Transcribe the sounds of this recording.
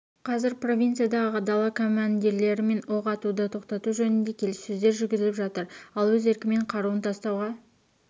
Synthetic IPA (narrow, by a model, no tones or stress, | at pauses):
qʰɑzɪɾpro̞vʲint̪sɨjad̪ɑʁʁəd̪ɑlˠɑkʰo̞mand̪ʲiɾle̞ɾɪme̞no̞ʁɑt̪ud̪ət̪ʰo̞qt̪ɑt̪uʒɵnɪnd̪e̞kʲʰe̞lɪsːɵzd̪e̞ɾʒʏɾɡʲɪzɪlɪpʒɑt̪əɾɑlˠwɵze̞ɾkʲɪme̞ɴqʰɑɾuənt̪ʰɑst̪ɑwʁɑ